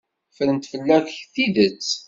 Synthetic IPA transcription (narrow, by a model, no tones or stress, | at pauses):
fəɾənt̪fəlːækçθiðət͡sː